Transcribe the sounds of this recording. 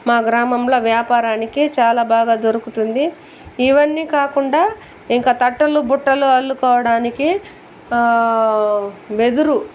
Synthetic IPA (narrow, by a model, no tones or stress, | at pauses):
maːɡɾaːmɐmlo̞ːʋjaːpaːɾaːnikit͡ʃaːlaːbaːɡaːd̪oɾukut̪und̪iː | ʋɐnːiːkaːkuɳɖaː | iŋkaːt̪ɐʈːɐlubuʈːɐluɐlːukɔːʋɐɽaːniki | ʋe̞d̪uɾu